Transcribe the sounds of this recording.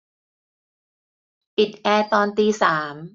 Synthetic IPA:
pi˨˩t̪̚ʔɛː˧t̪ɔː˧nt̪iː˧saː˩˦m

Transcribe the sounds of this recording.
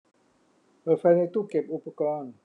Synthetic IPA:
pɤː˨˩fa˧jna˧jt̪uː˥˩ke˨˩p̚ʔu˧˩pːa˧kɔː˧˥˨n

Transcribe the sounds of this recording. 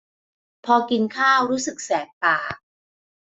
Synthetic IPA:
pʰɔː˧ki˧nkʰaː˥˩wɾuː˦˥sɯ˨˩k̚sɛː˨˩k̚paː˨˩k̚

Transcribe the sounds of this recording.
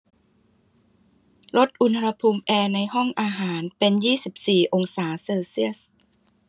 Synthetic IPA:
lo˦˥t̪̚ʔu˧nha˧a˧pʰuː˧mʔɛː˧na˧jɦɔ˥˩ŋʔaː˧ɦaː˩˦npe˧njiː˥˩si˨˩p̚siː˨˩ʔo˧ŋsaː˩˦seː˧si˥˩əs

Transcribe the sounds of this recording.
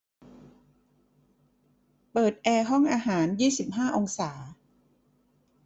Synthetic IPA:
pɤː˨˩t̪̚ʔɛː˧ɦɔ˥˩ŋʔaː˧ɦaː˩˦njiː˥˩si˨˩p̚ɦaː˥˩ʔo˧ŋsaː˩˦

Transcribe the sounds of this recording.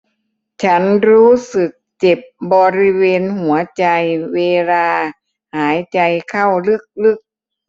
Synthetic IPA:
t͡ɕʰa˦˥nɾuː˦˥sɯ˨˩k̚t͡ɕe˨˩p̚bɔː˧ɾi˦˧˥weː˧nhu˩˦ɐt͡ɕa˧jweː˧laː˧ | haː˩˦jt͡ɕa˧jkʰa˥˩wlɯ˧˥˩k̚lɯ˦˧˩k̚

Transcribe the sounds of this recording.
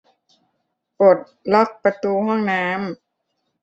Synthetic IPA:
po˨˩t̪̚lɔ˦˥˩k̚pa˧t̪uː˧ɦɔ˥˩ŋnaː˦˥m

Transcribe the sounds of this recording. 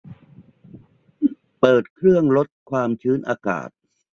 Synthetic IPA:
pɤː˨˩t̪̚kʰɾɯ˥˩əŋlo˦˥t̪̚kʰwaː˧mt͡ɕʰɯː˦˥nʔaː˧ka̰ː˨˩t̪̚

